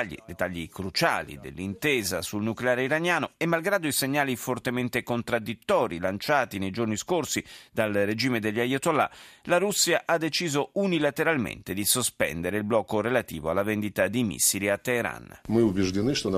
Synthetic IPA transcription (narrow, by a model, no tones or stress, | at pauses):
ʎːḭd̪et̪ːaʎːikɾut͡ʃa̰ːlḭd̪ḛlːint̪eːzasulnukleaːɾeiɾanjaːnoɛmːalɡɾaːd̪oiseɲːaːlifort̪ement̪ekont̪ɾad̪ːit̪ːɔːɾilant͡ʃaːt̪inejd͡ʒorniskorsid̪alred͡ʒiːmed̪eʎːajot̪olːa̰laɾusːiaʔad̪ːet͡ʃiːzounilat̪eɾalmḛnt̪ed̪isospɛ̰nd̪eɾeilblɔkːoɾelat̪iːvoalːavɛnd̪it̪ad̪imḭsːiɾiat̪ːeːɾa̰nmɨubʲɪʐd̪ʲɪnɨʂt̪on